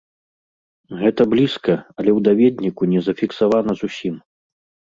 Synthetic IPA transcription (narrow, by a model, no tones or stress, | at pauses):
ɣɛt̪ɐblʲiskɐɐlʲɛwd̪avʲɛd̪ʲnʲikunʲɛzɐfʲiksavanɐzusʲim